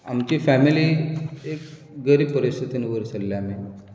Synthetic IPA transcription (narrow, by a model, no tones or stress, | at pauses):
a̰mt͡ɕiːfæmiliːek | ɡəɾiːb̚pəɾist̪ʰit̪inuʋəɾsəlːaami